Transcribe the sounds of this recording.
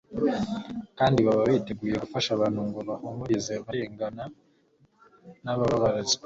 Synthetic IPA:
kaːndiβaβaβite̞ɡuːje̞ɡufaʃaβan̥huŋɡoβahomoɾizeβaɾeːŋɡana | naβaβaβaɾaziβ

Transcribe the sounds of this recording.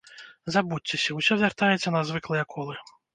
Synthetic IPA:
zabut͡sʲːɛsʲɐwsʲɔvʲart̪ajɛt͡sʲːɐnɐzvɨklˠɨjɛkʰɔlˠɨ

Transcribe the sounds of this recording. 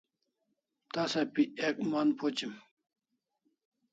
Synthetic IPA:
t̪asapiɛk̚manpʰot͡ɕim

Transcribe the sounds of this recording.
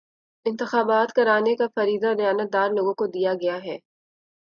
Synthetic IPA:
ɪ̃nt̪ɪxaːbaːt̪kɐɾaːnekafɐɾiːd̪alɐjaːnət̪̚d̪aːɾloːɡõkod̪ijaɡɐjaɦɛː

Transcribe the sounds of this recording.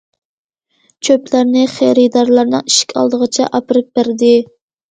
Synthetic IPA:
t͡ʃʲʰøplæɾnɪχeɾɪd̪ɑɾlˠɑɾnɨ̰ŋiʃkʲʰɑ̰lˠd̪əʁət͡ʃʰɛ̰ʔɑpɨɾɨp̚bæɾd̪ɪ

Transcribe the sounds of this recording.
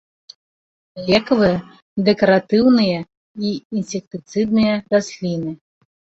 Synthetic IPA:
lʲɛkɐvɨjɐ | d̪ɛkɐɾat̪ɨwnɨjɐ | iinsʲek̚t̪ɨt̪sɨd̪nɨjɐd̪asʲlʲinɨ

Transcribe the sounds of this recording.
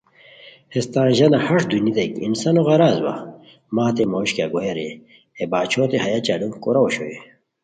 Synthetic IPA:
hest̪ãːnʑɐnɐhɐʂd̪unid̪ɐikḭnsɐnoɣɐɾaːzwɐ̰ | maːt̪̬emoːɕkaɡojeɾe | ebaːt͡ɕʰoːt̪ehɐjat͡ɕalumkoɾɐoɕoe

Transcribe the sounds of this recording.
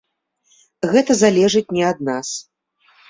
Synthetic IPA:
ɣɛt̪ɐzalʲɛʐɨt͡sʲnʲɛad̪̚nas

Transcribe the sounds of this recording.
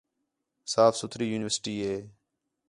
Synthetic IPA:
saːfsʊt̪ʰɾiːjuːnɪʋəɾsʈiːɦeː

